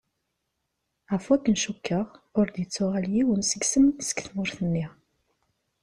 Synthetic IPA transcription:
ʁfwækːənʃukːəʁʊɾd̪jət͡sːʊʁaljiwənsəɡsəmnsə̥kθmʊɾθənːiʁ

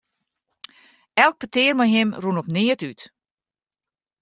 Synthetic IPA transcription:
ɛlˠk̚pətɪːrmajɦɪmrunɔpnɪətyt

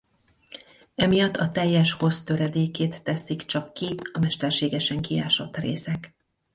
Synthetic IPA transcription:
ɛmijɒt̪ʰːɒt̪ɛjːɛʃho̞st̪ø̞ɾɛd̪eːkeːt̪ːɛsikt͡ʃɒkːiɒmɛʃt̪ɛrʃeːɡɛʃɛŋkia̰ːʃo̞t̪reːsɛk

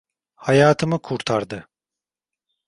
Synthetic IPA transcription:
hajaːt̪ʰɯmɯkʰuɾt̪ʰaɾd̪ɯ

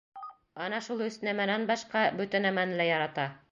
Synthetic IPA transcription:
ɑnɑʃulˠɵ̆snæmænænbɑʃqɑbɵt̪ænæmænɘlæjɑɾɑt̪ɑ

